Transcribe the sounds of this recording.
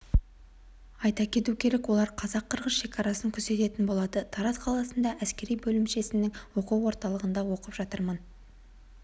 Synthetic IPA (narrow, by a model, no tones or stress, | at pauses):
ɑjt̪ɑkʲʰe̞t̪ukʲʰe̞ɾekwo̞lˠɑɾqʰɑzɑqʰːəɾʁəsʃe̞kʲʰɑɾɑsəŋkʲʰʏɾse̞t̪e̞t̪ɪnbo̞lˠɑd̪ət̪ʰɑɾɑsqʰɑlˠɑsənd̪ɑʔæskʲe̞ɾijbɵlɪmʃe̞sɪnːɪŋwo̞quwo̞ɾt̪ɑlˠəʁənd̪ɑwo̞qəpʒ̥ɑt̪əɾmən